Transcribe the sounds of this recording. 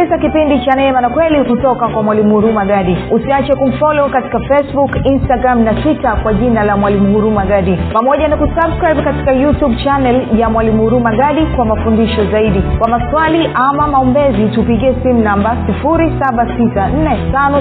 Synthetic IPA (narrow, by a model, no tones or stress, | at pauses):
izakipindit͡ʃanɛɛmanakwɛlikutɔkakwamwalimuuɾumaɡaɗiusiat͡ʃɛkum̩fɔlɔukati̥kafɛsbukinstaɡɾamnatwitakwaʄinalamwalimuhuɾumaɡaɗipamɔʄanakusabskɾajɓkati̥kajutjuɓt͡ʃanɛljamwalimuhuɾumaɠaɗikwamafundiʃɔzaiɗikwamaswaliʔamamaɔmbɛzitupiɠiɛsimunambasifuɾisaɓatisan̩nɛtanɔ